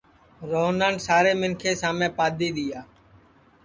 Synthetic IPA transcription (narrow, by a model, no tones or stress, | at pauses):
ɾoːnaːnsaːɾeːmɪnkʰeːsaːmẽːpaːd̪iːɗ̪ɪjaː